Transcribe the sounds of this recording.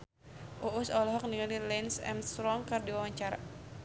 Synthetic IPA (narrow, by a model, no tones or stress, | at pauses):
ʔoʔusɔlɔɦɔk̚niŋalilɛnsɛ̰msɾɔŋkardiwawaɲt͡ʃaɾa̰